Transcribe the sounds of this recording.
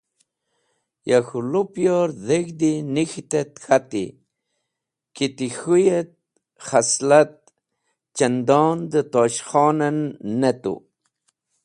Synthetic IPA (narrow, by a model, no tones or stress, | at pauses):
jaxulupjoɾðeɡd̪inixt̪et̪xʰat̪ḭ | kit̪ixujet̪̚ | χaslat̪̚ | t͡ʃand̪ɑːnd̪ət̪oʃxɑnənːet̪ṵ